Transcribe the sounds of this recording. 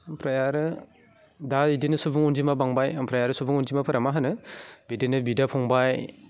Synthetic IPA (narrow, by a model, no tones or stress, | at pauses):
mpʰɾajaɾɯ | daidinɯsubuŋunzimabaŋbajampʰɾajaɾɯsubuŋunzimapʰɯɾamaɦɯnɯbidɯnɯbidapʰɔŋbaj